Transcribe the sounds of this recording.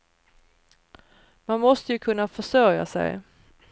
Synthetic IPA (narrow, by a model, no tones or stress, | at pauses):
manmɔst̪əjɵkʰɵnːafœʂœɾja̰sɛ̰j